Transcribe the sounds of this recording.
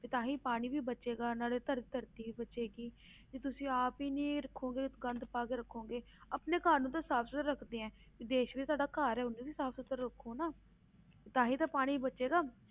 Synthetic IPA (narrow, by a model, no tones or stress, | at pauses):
pɪt̪ãːɦĩːpaːɽ̃iːbʱiːbət͡ʃeːɡaːnaːleːt̪əɾt̪əɾt̪iːbiːbəʃeːɡiː | d͡ʒeːt̪ʊsĩːaːpiːnĩːɾəkʰːõːɡeːɡənd̪paːkeːɾəkʰːõːŋɡeː | əpneːkaːnõːt̪aːsaːpʰsət̪əɾːəkʰd̪eːɛ̃ː | pid̪eːʃʋiːt̪aːɖaːkaːɾɛːʊnĩːbiːsaːpʰsʊt̪əɾːəkʰːoːnaː | pɪt̪aːɦiːt̪ãːpaːɽ̃iːbibəʃeːɡaː